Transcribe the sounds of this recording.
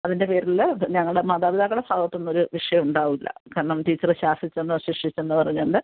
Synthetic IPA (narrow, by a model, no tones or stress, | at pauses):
ɐðinde̞pe̞ːɾilːɐɲɐŋːɐɭɽemɐːd̪aːʋiðaːɣɐɽebʱaːɡɐt̪ːo̞nːo̞ɾuʋiʂɐjɐmuɳɖaːʋilːɐ̰kɐɳːɐmʈiːt͡ɕːɐrɨɕaːsit͡ɕːɐnːɨɕiʂit͡ɕːenːɨpɐrɐɲːɐːɳɖɨ